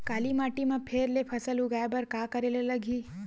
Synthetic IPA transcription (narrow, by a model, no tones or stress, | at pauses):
kaːlimaːʈimãpʰeːɾlepʰɐsəluɡaːebəɾkakəɾelelɐɡʱiː